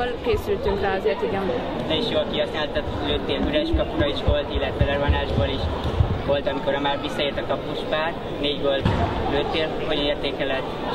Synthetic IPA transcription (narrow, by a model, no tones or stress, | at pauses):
olkeːsylt̪yŋkɾɛɒzeːrt̪ekɛmbo | nɛiʃjoːlkiɦɒsnaːlt̪ɔt̪ːløt̪ːeːlɦyɾɛʃkɒpuɾɒiʃʋolt̪ilːɛt̪ʋɛlɛɾvɒnaːʒboːliʃvo̞lt̪ɒmiko̞ɾɒmaːrʋisːɒeːrt̪ɒkɒpːuʃpaːr | neːɟbolt̪løt̪ːeːlfuɦoɟzeːrt̪eːkɛlɛt̪ː